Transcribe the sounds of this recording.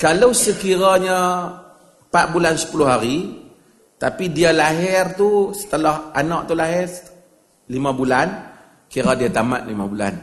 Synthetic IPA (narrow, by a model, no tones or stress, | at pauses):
kalawsəkiɾaɲə | pat̪̚bulansə̥pulʊɦaɾi | t̪apidialaɦɪrt̪usə̥t̪əlɔhanɔʔt̪ulaɦɪr | limãbulan | kiɾadiat̪amat̪̚limabula̰n